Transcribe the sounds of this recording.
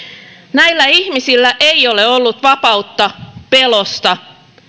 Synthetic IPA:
næilːæiçmisilːæʔeio̞le̞o̞lːut̪ʋɑpɑut̪ːɑpe̞lost̪ɑ

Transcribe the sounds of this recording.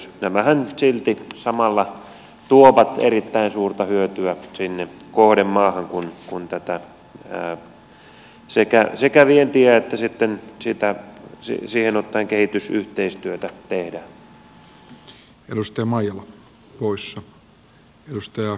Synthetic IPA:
næmæhænsilt̪isɑmɑlːɑ | t̪uoʋɑt̪ḛrit̪ːæinsuːrt̪ɑhyøt̪yæsinːekohɾemːɑːhɑŋkunkunt̪æt̪æ | sekæsekæʋient̪iæet̪ːæsit̪ːensit̪æsḭsiːhenot̪ːɑiŋkehit̪ysyht̪eist̪yøt̪æt̪ehdæːn | edust̪ɑjɑmɑjɑlɑ | poisːɑ | edust̪ɑjɑ

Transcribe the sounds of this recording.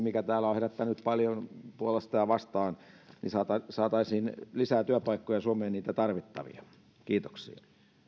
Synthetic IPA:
mikæt̪æːlæoheræt̪ːænyt̪pɑljonpuolest̪ɑjɑʋɑst̪ɑːn | nḭsɑːt̪ɑsɑːt̪ɑisiːnlisæːt̪yæpɑikːojɑsuomeːnniːt̪æt̪ɑrʋit̪ːɑ̰ʋḭɑ | kiːt̪o̥ksḭɑ

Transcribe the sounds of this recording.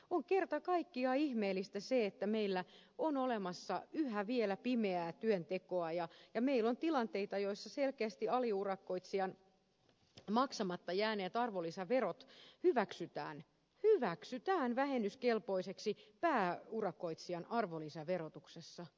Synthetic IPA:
oŋkert̪ɑkɑikːiɑihmeːlːˑist̪æseet̪ːæmeilːæ | onolemɑsːɑyhæʋielæpimeæːt̪yønt̪ekoɑjɑjɑmeilːont̪ilɑnt̪eit̪ɑjoisːɑselkeæst̪iɑliurɑkːoit̪siɑn | mɑksɑmɑt̪ːɑjæːneːt̪ɑrʋolisɑʋerot̪hyʋæksyt̪æ̰ːn | hyʋæksyt̪æːnʋæhenːyskelpoiseksipæːurɑkːˑoit̪siɑnɑrʋolisɑʋerot̪uksesːɑ

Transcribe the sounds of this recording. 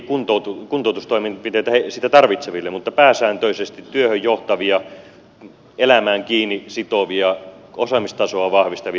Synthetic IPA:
kunt̪out̪ukunt̪oˑut̪ust̪oimenɑpit̪eˑit̪æhesiːt̪æt̪ɑrʋit̪seʋilːemut̪ːɑpæːsæːnt̪øisest̪it̪tyøhøjjoht̪ɑʋiɑ | elæmæːŋkiːnːisit̪oʋiɑ | osɑmist̪ɑsoɑʋɑhʋist̪ɑʋi

